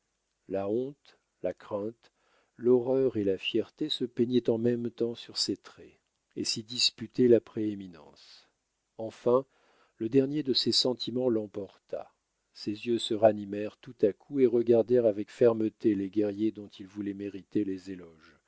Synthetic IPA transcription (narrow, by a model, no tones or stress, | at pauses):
laɔ̃t̪ | lakχɛ̃t̪ | lɔʁœʁelafjɛʁt̪esəpeɲɛt̪ɑ̃mɛmt̪ɑ̃syʁset̪χɛ | esid̪ispyt̪ɛlapχeeminɑ̰̃s | ɑ̃fɛ̃ | ləd̪ɛʁnjed̪əsesɑ̃t̪ʰimɑ̃lɑ̃pɔʁt̪a̰ | sezjøsəʁanimɛʁt̪ut̪akʰueʁəɡaʁd̪ɛʁavɛkfɛʁmət̪eleɡʲɛʁjed̪ɔ̃t̪ʰilvulɛmeʁit̪elezelɔʒ